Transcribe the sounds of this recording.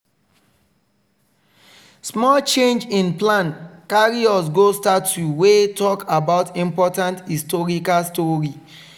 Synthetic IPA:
smɔlt͡ʃẽnd͡ʒĩnplãnkaɹiɔsɡostatːuwetɔkabaʊtĩmpɔtãnthistɔɹikalstɔɹi

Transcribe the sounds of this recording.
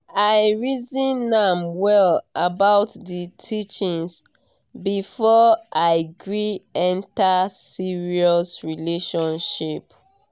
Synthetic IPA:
aɪɹizĩnːãmwɛlʔabaʊtðitʰit͡ʃĩŋs | bifɔʔaɪɡɹiɛ̃ntasiɹiɔsɹileʃɔ̃nʃip

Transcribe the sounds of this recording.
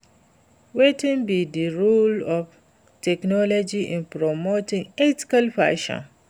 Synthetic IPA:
wetĩnbidiɹulɔf | tʰɛknɔlɔd͡ʒiʔɪ̃npɾɔmotɪ̃ŋɛti̥kalfa̰ʃɔ̰̃n

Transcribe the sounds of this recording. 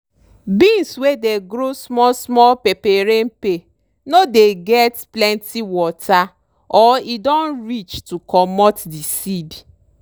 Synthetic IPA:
binswedeɡɾosmɔsmɔlpepeɾem̩pe | nodeɡɛtplɛntʰiwɔtʰa | ɔidɔ̃nɾit͡ʃtukɔmɔtdisidi

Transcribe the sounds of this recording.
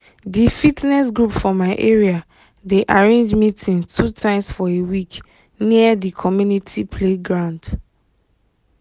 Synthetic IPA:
difitnɛs̬ɡɹupfɔmaɪʔeɹia | deʔaɹẽnd͡ʒmitĩntʰutʰãɪ̃msfɔewik | niədikʰɔmjunitʰipʰleɡɹãʊ̃nd

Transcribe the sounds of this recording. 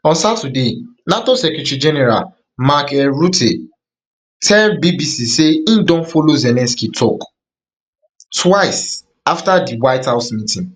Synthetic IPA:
ɔ̃nsatudenatosɛkɹɛtɹid͡ʒɛnɛɹa̰l | makɛɹutʰe | tʰɛlbibisiseindɔ̃nfolozɛlɛ̃nskitʰɔk | twaɪs | aftadiwaɪthaʊsmitĩŋ

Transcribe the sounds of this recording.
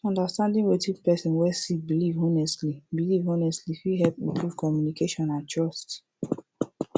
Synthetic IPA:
ɔ̃ndastãndĩŋwetivpɛsĩnwɛsik̚bilivonɛstlibilivonɛstlifiɦɛlpĩnpʰɹuv̥kɔmjunikeʃɔ̃nãntʰɹɔst

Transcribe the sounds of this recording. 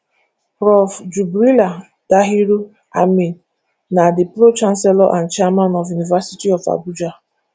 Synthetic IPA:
ɾɔfd͡ʒubɾila | d̥aɦiɾu | a̰me | nadɪpɾot͡ʃan̩sɛlɔʔan̩t͡ʃamanɔfjunivasitiɔfa̰bud͡ʒa

